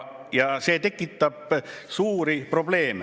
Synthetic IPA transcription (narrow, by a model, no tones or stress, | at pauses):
jɑse̞ːt̪e̞kːˑit̪ːɑb̥suːɾipro̞b̥le̞ːme